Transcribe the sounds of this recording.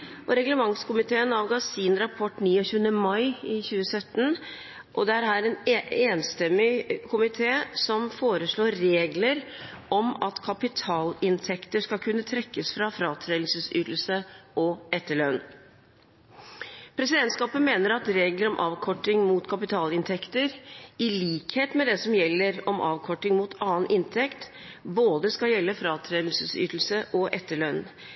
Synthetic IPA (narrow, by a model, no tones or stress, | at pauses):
ʔɔɾɛɡləmɑŋskʊmɪt̪ʰeːənɑːʋɡɑːsɪnɾɑpʰɔʈːniːɔçʉːənəmɑɪɪçʉːəsœt̪ːən | ʔɔd̪ɛæɾɦæːɾɛneːnst̪ɛmːɪkʰʊmɪt̪ʰeːsɔmfoːɾəʂɭoːɾɾeːɡləɾ | ʔɔmɑt̪kʰɑpɪt̪ʰɑːlɪnt̪ʰɛkt̪əʂkɑlkʰʉnːət̪ʰɾɛkːəsfɾɑfɾɑːt̪ʰɾeːlɪlsəsyːt̪l̩səɔɛt̪ːəɭœn | pʰɾɛsɪd̪ɛnt̪skɑːpənmeːnəɾɑt̪ɾeːɡləɾɔmʔɑːʋkʰɔʈːɪŋmuːt̪kʰɑpɪt̪ʰɑːlɪnt̪ʰɛkt̪əɾɪliːkheːt̪mɛd̪ɛsɔmjɛlːəɾɔmʔɑ̰ːʋkʰɔʈːɪŋmuːt̪ʰɑːənʔɪnt̪ʰɛkt̪ | boːd̪əskɑjɛlːəfɾɑːt̪ʰɾeːd̪l̩səsy̰ːt̪l̩səʔɔʔɛt̪ːəɭœn